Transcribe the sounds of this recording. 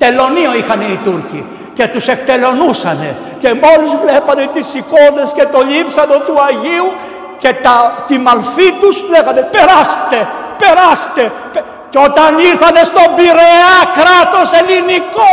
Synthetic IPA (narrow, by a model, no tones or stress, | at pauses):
t̪e̞lo̞nioixɐne̞it̪uɾci | ce̞t̪use̞kt̪e̞lo̞nusɐne̞̰ | ce̞mo̞lizvle̞pɐnet̪isiko̞ndesce̞t̪o̞ʎipsɐnot̪uɐʝiu | cet̪ɐt̪imɐlfit̪uslepɐnd̪epe̞ɾɐst̪e̞ | pe̞ɾɐst̪e̞ | ceot̪ɐniɾθɐne̞st̪o̞biɾeɐkɾɐt̪o̞se̞liniko